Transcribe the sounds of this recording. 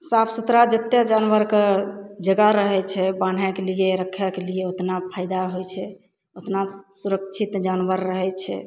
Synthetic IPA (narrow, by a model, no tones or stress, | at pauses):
sapʰsut̪ɾad͡ʒət̪jəd͡ʒanʋəɾked͡ʒəɡaɾəɦɛt͡ʃʰɛban̤ɦɛkelieɾəkʰːakelieot̪napʰaɪd̪aɦojt͡ʃʰɛ | ot̪nasuɾək̚t͡ʃʰit̪d͡ʒanʋəɾːəɦɛt͡ʃʰɛ̰